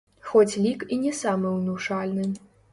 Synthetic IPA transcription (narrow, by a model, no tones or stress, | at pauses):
xotʰʲlʲikʼinʲesaːmɐwnuʂaːlʲnɨn